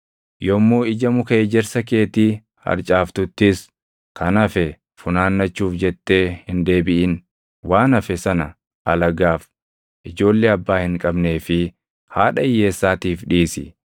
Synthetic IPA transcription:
jɔmːuːɪd͡ʒɐmʊkɐeːd͡ʒɛɾsɐke̞ːt̪iː | hɐ̰ɾt͡ʃʼaːft̪ʊt̪ːɪs | kɐnɐfɛ | fʊnaːnːɐt͡ʃːuːfd͡ʒɛt̪ːe̞ːhɪnd̪e̞ːbɪʔɪn | waːnɐfɛsɐnɐ | ɐlɐɡaːf | ʔɪd͡ʒo̞ːlːeːɐbːaːhɪŋkʼɐbne̞ːfɪ | haːᶑɐɪjːe̞ːsːaːt̪iːfᶑiːsɪ̰

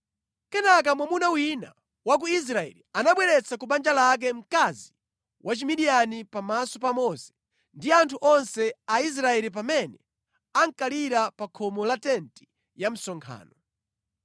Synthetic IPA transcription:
kɛnak̬amwamunawina̰ | wak̬uis̬ɾaɛ̰lianaɓwɛɾɛt͡sʰakuɓand͡ʒalak̬ɛm̩kazi | wʔat͡ʃimiɗijanipamasɔpamɔsɛ̥ | ndiantʰuʔɔnsɛais̬ɾaɛlip̬amɛnɛ | aŋkaliɾapakʰɔmɔlatɛnti̥ | jam̩sɔŋkʰa̰ːnɔ

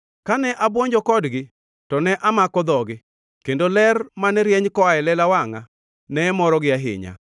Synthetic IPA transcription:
kanɛʔabwoɲd͡ʒɔkɔdɡɪ | tɔnɛʔamakɔd̪ɔɡɪ | kendolɛrmanɛɾjɛɲkɔaɛlɛlawaŋa | nɛːmɔɾɔɡɪaɦɪ̰ɲa̰

